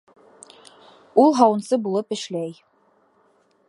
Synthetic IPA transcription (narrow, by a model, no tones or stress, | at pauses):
ulˠɦɑwɤ̆nsɤbulˠɤpɘ̆ʃlæj